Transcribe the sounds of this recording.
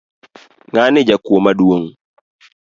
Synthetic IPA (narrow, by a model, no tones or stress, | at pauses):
ŋanɪd͡ʒakuɔmaduoŋ